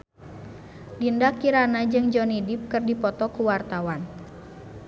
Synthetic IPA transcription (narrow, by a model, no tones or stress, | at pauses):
dindakiɾanad͡ʒɨŋd͡ʒɔnidip̚kɨrdipɔt̪ɔkuwart̪awan